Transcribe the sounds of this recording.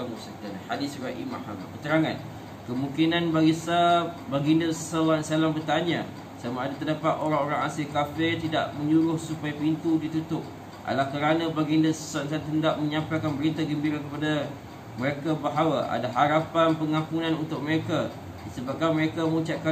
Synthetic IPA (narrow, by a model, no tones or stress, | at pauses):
amusadanhadɪsraʔḭmahama̰kət̪əɾaŋãn | kəmũŋkinanbaɡisabaɡindəsawaʔnsalambərt̪aɲa̰ | samaːdat̪ərdapat̪oɾaŋoɾaŋasɪlkafɪrt̪ida̰ʔməɲuɾʊhsupajapint̪udit̪ut̪ʊp̚ | ʔa̰lahkəɾanãbaɡindəsasansalat̪əndaʔməɲãmpajkanbəɾit̪aɡəmbiɾakəpada | məɾekabəɦawaʔa̰daɦaɾapanpəŋãmpunãnunt̪ʊk̚məɾeka | disəbap̚kanməɾekaməŋut͡ʃaʔka